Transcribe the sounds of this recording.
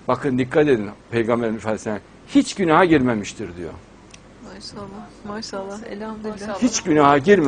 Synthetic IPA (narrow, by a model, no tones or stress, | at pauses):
bakʰɯnd̪ikʰːat̪e̞d̪inpʰejɡambeɾimfalsæ | hit͡ʃɟynaɦaɟiɾmemiʃt̪ʰiɾd̪ijo̰ | maʃalˠːamaʃalˠːaḛlʲamd̪hit͡ʃɟynaɦaɟiɾm